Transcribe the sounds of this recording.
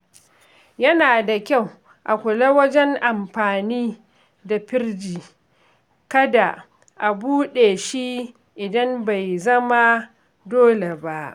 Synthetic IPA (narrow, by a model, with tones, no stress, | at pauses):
jɐ˦naː˨da˨kʲa˦˨w | ʔa˨kʷʊ˨la˦wɐ˦d͡ʒɛ˦ŋʔa˨mɸaː˨niː˦ | da˨ɸɪ˦rd͡ʒiː˨ | kɐ˦da˨ | ʔa˨buː˦ɗeː˨ʃi˦ | ʔɪ˨dɐ˦mba˨jzɐ˦ma˦ | doː˦le˨ba˦ʔ